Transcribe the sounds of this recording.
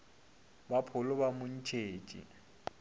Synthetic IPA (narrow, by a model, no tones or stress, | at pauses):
bapʰʊlʊbamʊn̩t͡ʃʰeːt͡ʃʼḭ